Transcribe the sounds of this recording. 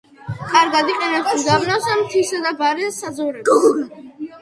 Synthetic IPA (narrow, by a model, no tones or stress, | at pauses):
kʼaɾɡad̪iqʼɛnɛsmd̪abnasamt̪ʰisɛd̪abaɾɛsad̪zuɾɛ